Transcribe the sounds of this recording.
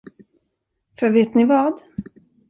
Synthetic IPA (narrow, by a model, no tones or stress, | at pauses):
fœɾveːt̪nɪvɑːd̪